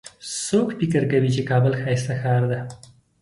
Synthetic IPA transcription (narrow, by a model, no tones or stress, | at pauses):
sokpɪkəɾkawit͡ʃekɑbəlxɑjst̪axɑɾd̪a